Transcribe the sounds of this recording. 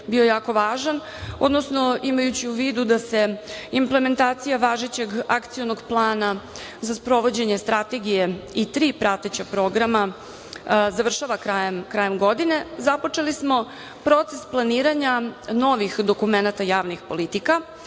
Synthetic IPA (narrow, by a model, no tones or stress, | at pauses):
bio̞jaːko̞ʋaːʒan | o̞d̪nosno̞imajut͡ɕiuʋiːd̪ud̪ase̞imple̞me̞nt̪aːt̪sijaʋaːʒet͡ɕeɡakt̪sijonoɡplˠaːna | zaspɾo̞ʋo̞d͡ʑe̞ɲe̞st̪ɾat̪e̞ɡije̞it̪ɾiːpɾat̪et͡ɕapɾo̞ɡɾama | zaʋr̩ʃaʋakɾajemkɾajemɡo̞d̪ine̞zapo̞t͡ʂelismo̞ | pɾo̞t̪sesplˠaniːɾaɲano̞ʋixd̪o̞kume̞nat̪ajaːʋnixpo̞lit̪ika